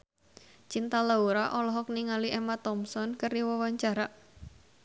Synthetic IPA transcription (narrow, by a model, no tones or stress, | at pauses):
t͡ʃint̪alauɾaʔɔlɔɦɔkniŋaliʔemat̪ɔmsɔnkəɾiwɔwaɲt͡ʃaɾa